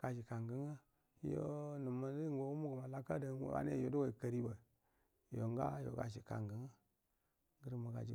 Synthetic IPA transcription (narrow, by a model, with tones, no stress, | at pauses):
ka˨ʃi˨ka˨ŋɡə˦ŋa˦ | jo̰˦nu˨mə˨˦i˦ŋɡo˨wu˦mu˦ɡu˨ma˨la˨ka˦da˨˦o̰˨a̰˨˦n˦e˦˨jo˨˦du˦wa˨i˨kə˨ɾi˦bə˨ | jo˨ŋɡa̰˦jo̰˨ɡa̰˨ʃi˨ka̰˨ŋɡə˨ŋa˦ | ɡə˦ɾma˨ɡa̰˨d͡ʒḭ˨